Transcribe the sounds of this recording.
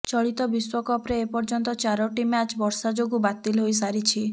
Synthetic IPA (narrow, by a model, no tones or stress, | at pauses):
t͡ʃɔɭit̪ɔbiswɔkɔpɾeːpɔɾd͡ʒɔnt̪ɔt͡ʃaɾɔʈimat͡ʃbɔɾsad͡ʒoɡubat̪ilɦojs̬aɾit͡ʃʰi